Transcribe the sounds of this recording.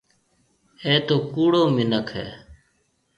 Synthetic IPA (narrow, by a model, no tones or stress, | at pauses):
eːt̪oːkuːɽoːmɪnəkʰɦḛː